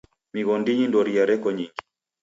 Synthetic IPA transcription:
miɣɔndiɲindɔɾiaɾɛkɔɲiŋɡi

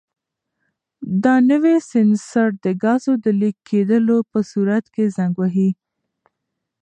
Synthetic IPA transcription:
d̪ɑnəwesɪnsaʈ̚d̪əɡɑzod̪əlikʰːed̪əlopəsuɾat̪kezaŋɡwaɦi

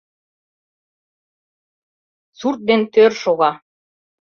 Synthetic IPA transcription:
suɾt̪̚d̪ent̪øɾʃuɣɑ

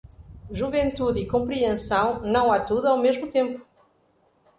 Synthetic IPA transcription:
ʒuvẽnt̪uðikõmpɾiẽsɐ̃w̃nɐ̃w̃at̪uðuawmeʒmut̪ẽmpʊ̥

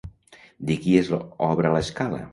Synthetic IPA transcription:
d̪ikiezɔβɾaləskalə̰

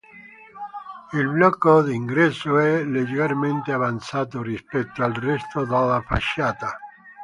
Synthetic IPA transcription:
ilblɔkːod̪iŋɡɾɛsːoɛled͡ʒeɾarment̪eavant̪saːt̪orispɛt̪ːoalrɛst̪od̪alːafa̰ʃːaːt̪a

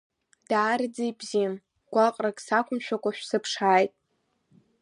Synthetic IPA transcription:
d̥aːrɨd͡zijbzim | ɡ̥ʷaqʼrakʼsakʷʰʊmʃᶣakʷʼaʃᶣsɨpʰʂaːjtʼ

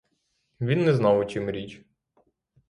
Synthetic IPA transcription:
ʋʲinːɛznɑwʊt͡ʃimɾʲit͡ʃʲ

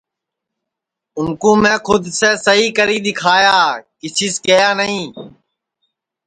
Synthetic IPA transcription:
ʊnkõːmɛ̃ːkʰʊd̪seːsəɦiːkəɾiːɗ̪ɪkʰaːjaːkɪsʰiːskəjaːnəɦĩː

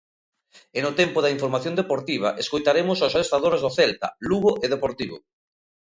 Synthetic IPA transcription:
enot̪ɛmpoðaiɱfoɾmaθjõnd̪epoɾt̪iβ̞a̰ʔeskojt̪aɾemʊsosaɾest̪aðoɾezðoθɛlt̪ɐ̰luɣoʔeð̞epoɾt̪iβ̞o̰

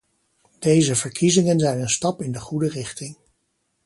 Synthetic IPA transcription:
d̥ejzəvəɹkʰizɪŋənzɛjnənstɑpɪndəχudərɪχtɪŋ

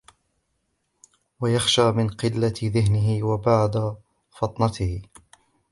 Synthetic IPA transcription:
wajaxʃaːmɪnqɪlːaðɪɦnɪɦɪwabaʕd̪a | fɑt̪ˤnɑt̪ɪhɪ

